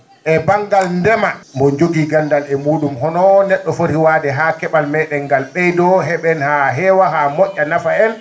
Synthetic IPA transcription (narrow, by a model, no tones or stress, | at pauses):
ʔɛbaŋɡalndɛmambɔd͡ʒoɡiɡandalɛmuːɗumɦɔnɔnɛɗːɔfoɾiwadɛɦakɛɓalmɛɗɛŋɡalɓɛjdɔɦɛɓɛnhaɦɛːwaɦamɔʔʲːanafaɛn